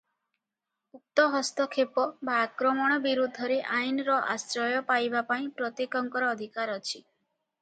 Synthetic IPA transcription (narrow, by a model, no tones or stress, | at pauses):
uk̚t̪ɔɦɔst̪ɔkʰepɔbaːkɾɔmɔɽ̃ɔbiɾud̪ʱːɔɾeʔajnɾɔʔa̰sɾɔjɔpajbapaĩpɾɔt̪ekɔŋkɔɾɔːd̪ʱikaɾɔt͡ʃʰi